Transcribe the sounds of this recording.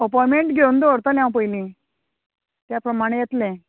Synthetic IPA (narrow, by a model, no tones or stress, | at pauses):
əpɔjmeɳʈɡʱeund̪oɾt̪əljãwpəjlĩ | t̪japɾəmaɽ̃ejet̪lẽ